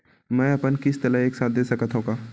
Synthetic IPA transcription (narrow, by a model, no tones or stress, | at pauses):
mɛ̃ːɐpənkɪst̪ɐləɦeːksaːt̪̚d̪eːsɐkat̪ʰɦũɡaː